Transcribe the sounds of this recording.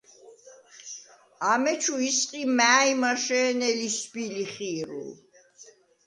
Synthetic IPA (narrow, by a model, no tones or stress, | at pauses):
amɛt͡ʃʰuisqʼimæːimaʃɛːnɛlisbiliχiːɾṵl